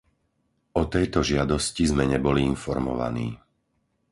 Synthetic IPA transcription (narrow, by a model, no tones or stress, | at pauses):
ɔt̪ɛjt̪ɔʒɪad̪ɔscizmɛɲɛbɔliinfɔɾmɔ̰ʋa̰nḭː